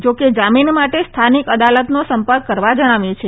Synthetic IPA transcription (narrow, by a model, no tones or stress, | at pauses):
d͡ʒoked͡ʒaminmaʈest̪ʰanikəd̪alət̪nosəmpəɾkːəɾʋad͡ʒəɽ̃aʋjõt͡ʃʰe